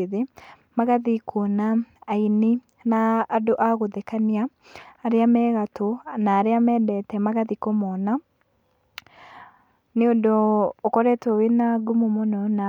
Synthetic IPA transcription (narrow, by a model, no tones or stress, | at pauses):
ðe | maɣaðikʰonaːini | naːdoʔaɣoðɛkaniaː | ɾeamɛːɣatonaːɾeamɛdɛtɛmaɣaðikomɔna | neodoːkɔɾɛtowenaɡumomonɔna